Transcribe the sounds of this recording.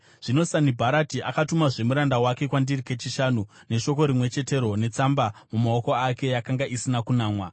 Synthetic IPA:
ʐ̥ino̞sanibʱaɾatiʔakatumaʐe̞muɾandawake̞kwandirike̞t͡ʃiʃaːnu | ne̞ʃo̞ko̞ɾimwe̞t͡ʃe̞te̞ɾo̞ne̞t͡sambamumaoko̞ake̞jakaŋɡaʔisinakunaːmwa

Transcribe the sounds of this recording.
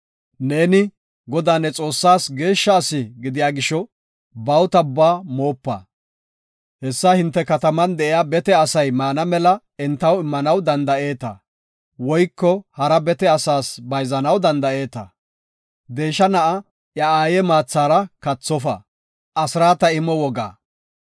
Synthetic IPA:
ne̞ːnɪ | ɡɔd̪aːnːɛt͡sʼo̞ːsːaːsɡe̞ːʃːɐːsɪɡɪd̪ɪjaːɡɪʃɔ | bɐwt̪ɐbːaːmo̞ːpːɐ̰ | hɛsːɐhɪnt̪ːɛkɐt̪ɐmɐnd̪ɛʔɪjaːbɛt̪ɛɐsɐjmaːnɐmɛlɐ | ɛnt̪ːɐwɪmːɐnɐwd̪ɐnd̪ɐʔe̞ːt̪ɐ̰ | wɔjkːɔhɐɾɐbɛt̪ɛɐsaːsbɐjzɐnɐwd̪ɐnd̪ɐʔe̞ːt̪ɐ̰ | d̪e̞ːʃːɐnɐʔɐ | jɐaːjɛmaːt͡sːaːɾɐkɐt͡sːɔfɐ̰ | ʔɐsɾaːt̪ɐɪmɔwɔɡa̰ː

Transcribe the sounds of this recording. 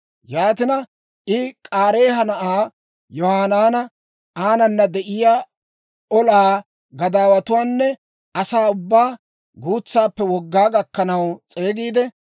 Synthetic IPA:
jaːt̪ɪnɐ | ʔɪkʼaːɾe̞ːɦɐnɐʔaː | jɔhaːnaːnɐ | ʔaːnɐnːɐd̪ɛʔɪjaː | ɔlaː | ɡɐd̪aːwɐt̪ʊwaːnːɛ | ʔɐsaːʊbːaː | ɡuːt͡sːaːpːɛwɔɡːaːɡɐkːɐnɐwt͡sʼe̞ːɡiːd̪ɛ

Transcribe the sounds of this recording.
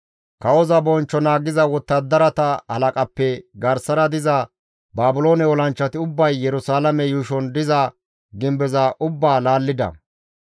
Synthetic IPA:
kɐwɔzɐbɔnt͡ʃːɔnaːɡɪzɐwɔt̪ːɐd̪ɐɾɐt̪ɐhɐ̰lɐkʼɐpːɛɡɐɾsɐɾɐd̪ɪzɐ | baːbʊlo̞ːnɛɔlɐnt͡ʃːɐt̪ɪʊbːɐjːɛɾʊsaːlɐmɛjuːʃɔnd̪ɪzɐ | ɡɪmbɛzɐʔʊbːaːlaːlːɪd̪ɐ̰

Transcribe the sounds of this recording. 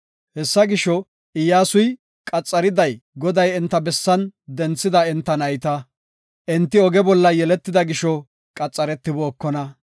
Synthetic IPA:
hɛsːɐɡɪʃɔ | ɪjːaːsʊj | kʼɐt͡sʼːɐɾɪd̪ɐjɡɔd̪ɐjɛnt̪ːɐbɛsːɐnd̪ɛnt͡sːɪd̪ɐɛnt̪ːɐnɐjt̪ɐ | ʔɛnt̪ːɪɔɡɛbɔlːɐjɛlɛt̪ːɪd̪ɐɡɪʃɔ | kʼɐt͡sʼːɐɾɛt̪ːɪboːkːɔnɐ

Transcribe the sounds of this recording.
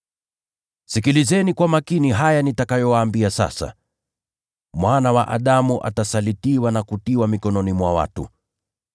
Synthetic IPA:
sikilizɛnikwamakiniɦajanitakajɔwaːmbiasa̰sa̰ | mwanawaʔaɗamuʔa̰tasalitiwanakutiwamikɔnɔnimwa̰wa̰tṵ

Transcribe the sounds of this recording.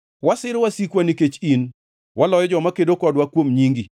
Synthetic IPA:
wasɪɾwasikwaniket͡ʃin | wʔalɔjɔd͡ʒɔmakedokɔdwakwomɲiŋɡi

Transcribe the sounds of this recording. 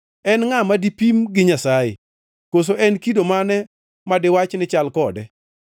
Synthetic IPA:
ɛnŋamadipimɡɪɲasajḛ | kos̬oʔɛnkidomanɛ | madɪwat͡ʃnɪt͡ʃalkɔdɛ

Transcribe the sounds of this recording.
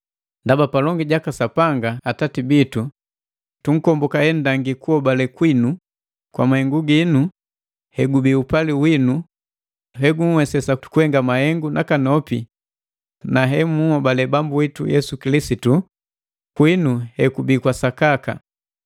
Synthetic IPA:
ndabapalɔŋɡiɟakasapaŋɡaːtatibitu | tuŋ̩kɔmbɔkahɛndaŋɡikuɔbalɛkwinu | kwa̰mahɛŋɡuɡinu | hɛɡubiupaliwinu | ɦɛɡuŋ̩wɛsɛsatu̥kuhɛŋɡamahɛŋɡunʔakanɔpḭ | naɦɛmuhɔbalɛbambuitujɛsukilisitu | kwinuhɛkubikwasakaka̰

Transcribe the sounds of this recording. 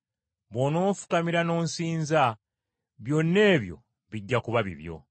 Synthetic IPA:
βono̞ːfu̥kamiɾano̞ːnsiːnza | βjo̞nːe̞ːβjo̞̰ | βiɟːakuβaβḭβjo̞̰

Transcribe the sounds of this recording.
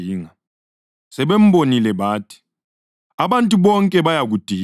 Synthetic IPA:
iːŋa | sɛβem̩bonilɛβaːtʰi̥ | aβantʼuβɔŋkʼɛβajaɣud̥ʱi

